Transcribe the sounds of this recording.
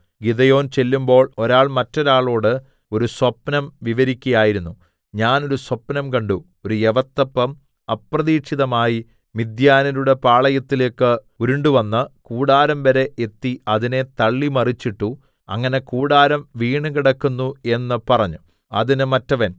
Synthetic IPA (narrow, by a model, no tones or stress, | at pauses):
ɡiðɐjo̞ːnt͡ɕe̞lːumbo̞ːɭo̞ɾaːɭmɐtːo̞ɾaːɭo̞ːɽɨ | o̞ɾuswɐpnɐmʋiʋɐɾikʲːujaːjiɾunːu | ɲaːno̞ɾuswɐpːnɐmkɐɳɖu | o̞ɾujeʋɐt̪ːɐpːɐm | ɐprɐðiːʂiðɐmaːji | mid̪jaːnɐɾuɽe̞paːɭɐjɐt̪ːileːkːɨ | uɾuɳɖuʋɐnːɨkuːɽaːɾɐmʋɐɾe̞ʔet̪ːiɐðine̞t̪ɐɭːimɐrit͡ɕːiʈːu | ɐ̰ŋːɐne̞kuːɽaːɾɐmʋiːɳɨkiɽɐkːunːue̞nːɨpɐrɐɲːu | ɐ̰ðinɨmɐtːɐʋɐn